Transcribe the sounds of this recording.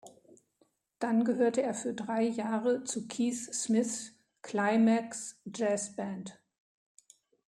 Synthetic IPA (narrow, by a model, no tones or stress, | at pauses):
d̥anɡəɦøːɐtəeːɐfyːɐdʁaɪjaːʁət͡sukʰiːsːmɪθ | kʰl̥aɪmɛksd͡ʒɛːsb̥ɛnt